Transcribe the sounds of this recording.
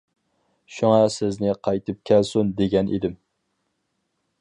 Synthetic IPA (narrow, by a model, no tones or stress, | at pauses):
ʃuŋɑsɪznɪqʰɑjt̪ʰɨp̚kʲʰɛlsund̪eɡʲɛnʔḭd̪ɪm